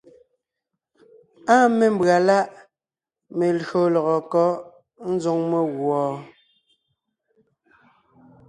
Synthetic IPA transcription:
a˦me˨m̩˦bɰa˨la˦ʔ | me˨lɣo˨lɔ˨ɣɔ˨kɔ˦ | n̩˦zo˦ŋme˨ɣwɔː˨

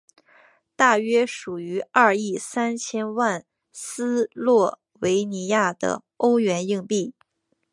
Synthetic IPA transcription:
t̪a˥˩ɥɛ˥ʂu˨˩y˧˥a˥˧i˥˩sa˥nt͡ɕʰjɛ˥nwa˥˩n | sɹ̩˥lwɔ˥˩ | we˧˥ɪni˧˥ja˥˩d̪ə̰˩ | o˥ʊɥɛ˧˥ni˥˧ŋpi˥˩

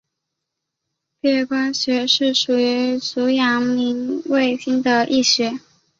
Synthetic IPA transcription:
pɛ˥˩˥kwa˥nɕɥɛ˧˥ʂɻ̩˥˩ʂu˨˩y˧˥t͡su˧˥jɑ˧˥ŋmi˧˥ŋwe˥˩ɪɕi˥nd̪ə˨ʔi˥˩ɕɥɛ˧˥

